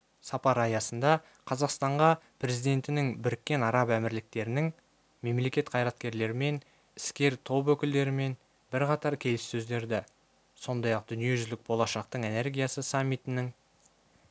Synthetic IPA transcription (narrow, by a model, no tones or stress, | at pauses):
sɑpɑɾɑjɑsənd̪ɑ | qʰɑzɑqst̪ɑɴʁɑpʰɾe̞zijd̪e̞nt̪ɪnɪŋbɪɾɪkʲːe̞nɑɾɑpæmɪɾlɪk̚t̪e̞ɾɪnɪŋ | me̞mle̞kʲe̞t̪qʰɑjɾɑt̪̚kʲe̞ɾle̞ɾɪme̞n | ɪ̥skʲe̞ɾt̪ʰo̞pwɵkʲɪld̪e̞ɾɪme̞n | bɪɾqɑt̪ɑɾkʲʰe̞lɪsːɵzd̪e̞ɾd̪ɪ | so̞nd̪ɑjɑq̚d̪ʏnije̞ʒʏzlɪk̚bo̞lˠɑʃɑqt̪əɴe̞ne̞ɾɡʲijasəsɑmʲːijt̪ɪnɪŋ